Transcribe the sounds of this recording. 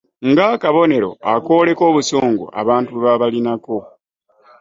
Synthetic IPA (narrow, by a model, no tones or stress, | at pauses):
ŋɡakaβo̞ne̞ɾo̞̰ako̞ːle̞ko̞ːβuso̞ːŋɡo̰ʔa̰βaːntuβaβalinako̞